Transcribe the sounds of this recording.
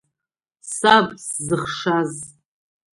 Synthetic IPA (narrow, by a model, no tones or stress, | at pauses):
sabszɨχʂaz